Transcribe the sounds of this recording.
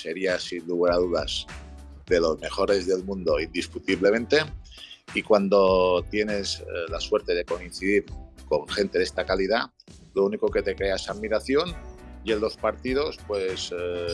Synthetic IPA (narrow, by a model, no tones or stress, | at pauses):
seɾiasinluɣeɾaðuðaz | d̪e̞lo̞zme̞xo̞ɾe̞zðe̞lmũnd̪o̞ind̪iskut̪iβle̞mẽ̞nt̪e | ikwand̪o̞t̪je̞ne̞zlaswe̞ɾt̪e̞ðe̞ko̞in̟θiðiɾko̞ŋxe̞nt̪e̞ðest̪akalið̞a | louniko̞ke̞t̪e̞kɾeaesaðmiɾaθjo̞nie̞nlo̞spaɾt̪ið̞o̞spwe̞s